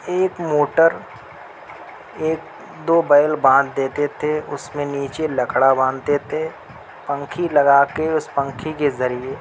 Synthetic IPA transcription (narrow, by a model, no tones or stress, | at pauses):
eːkmoːʈəɾ | eːk̚ | d̪oːbaːɪlbãːnd̪d̪eːt̪et̪ʰeʊsmẽniːt͡ʃelɐkɽabãːnt̪et̪ʰe | pə̃ŋkʰilɐɡaːkeʊspɐ̃ŋkʰikezɐɾie